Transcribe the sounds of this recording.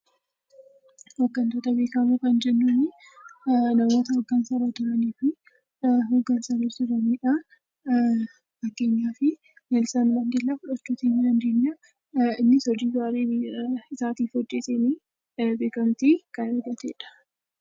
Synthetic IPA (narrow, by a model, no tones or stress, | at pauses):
hoɡːɐnt̪oːt̪ɐbe̞ːkɐmukɐnd͡ʒɛnːʊnɪ | nɐmo̞ːt̪ɐhɔɡːɐnsɐɾɐt̪ʊɾɐniːfɪ | ɦoɡːɐnsɐɾɐsɪrɐniːᶑɐ | bɐkːe̞ːɲːaːfɪ | elsaːndɐnd̪elːɐkʊᶑɐt͡ʃːuːt̪iːnːɪnɐnd̪uɲːa | ɪnːɪsɔd͡ʒiːɡaːɾeːɪsaːt̪iːfɔt͡ʃʼːeːseni | beːkɐmt̪ikɐnɪɾɡɐt̪eːᶑɐ̥